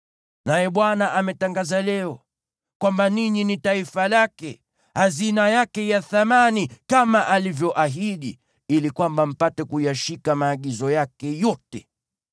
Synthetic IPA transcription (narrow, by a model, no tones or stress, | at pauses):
najɛɓwanaʔamɛtaŋɡazalɛɔ | kwambaniɲinitaifalakɛ | hazinajakɛjaθamanikamaʔalivjɔʔaɦiɗi | ilikwambam̩patɛkujaʃikamaːɠizɔjakɛjɔtɛ